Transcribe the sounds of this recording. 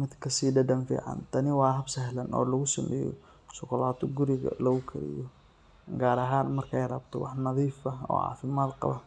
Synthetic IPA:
mɪd̪kʰɐsiːɖɐɖɐnfḭːʕɑ̰nt̪ʰɐnɪwɑːɦɐbsɛɦlɐnɔ̰ːlɐɣʊsɐmɛ̰ːjɔ̰ | sʊkʰʊlaːt̪ʰɔɡʊɾɪɣɐ̰lɐɣʊkʰɐ̰ɾɪ̰jɔ | ɡaːɾɐɦaːnmɐrkʰɛjrɐbt̪ʰɔwɑħnɐðiːfɐɔ̰ːʕɑ̰ːfɪmaːd̪qɑ̰βɐ

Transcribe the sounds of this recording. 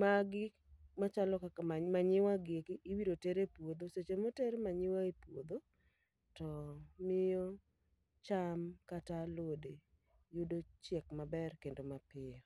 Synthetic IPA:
maɡɪ | mat͡ʃalɔkakamaɲɪwaɡekiʔiwiɾoteɾepwod̪oset͡ʃemoteɾemaɲɪwaepwod̪o | tɔmɪjɔ | t͡ʃamkatalwode | judot͡ʃjɛkmabɛrkendomapɪjɔ

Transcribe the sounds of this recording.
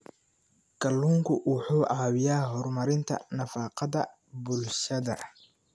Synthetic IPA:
ɡ̥ɐlːuːŋkʰʊwʊħuːʕɑːwɪjaːɦɔrmɐɾɪnt̪ʰɐ̰nɐfaːqɑðɐ | bʊlʃɐðɐ

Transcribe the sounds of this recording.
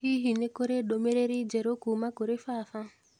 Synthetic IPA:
hiɦinekoɾeɗomeɾeɾid͡ʒɛɾokumakoɾefafa

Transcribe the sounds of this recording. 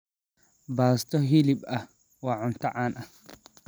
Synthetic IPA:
baːst̪ʰɔɦilɪbɐh | waːʕʊnt̪ɐʕaːnʔɐh

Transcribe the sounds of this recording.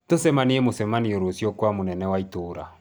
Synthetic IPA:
tosɛmaniemosɛmanioɾosjokwamonɛnɛwaitoːɾa̰

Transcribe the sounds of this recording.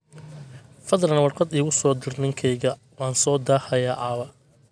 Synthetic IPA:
fɐðlɐnwɑrqɑd̪iːɣʊsɔːd̪ɪrnɪŋkʰɛjɣɐ | wɑːnsɔːd̪aːhɐjaːʔaːβɐ

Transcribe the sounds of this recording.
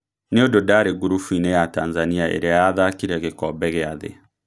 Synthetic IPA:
neododaɾeɣuɾufuinejatanzaniaʔḛɾeaaðakiɾɛɣekɔbɛɣeaðḛ

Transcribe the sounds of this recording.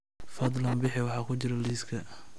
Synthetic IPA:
fɐd̪lɐmbɪħɪwɑħɑːkʰʊt͡ʃɪɾɐliːskʰɐ

